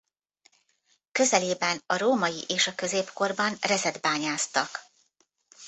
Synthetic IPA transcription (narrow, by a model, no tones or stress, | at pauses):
kø̞zɛleːbɛnɒɾoːmɒjiʔeːʃɒkø̞zeːpko̞rbɒnrɛzɛd̪baːɲaːst̪ɒk